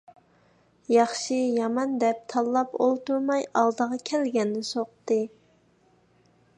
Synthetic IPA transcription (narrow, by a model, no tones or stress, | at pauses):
jɑχʃijɑmɑnd̪ɛp̚t̪ʰɑlˠːɑpo̰lˠt̪uɾmɑjɑlˠd̪əʁɑkʲʰɛlɡʲɛnːɪsoqt̪ɨ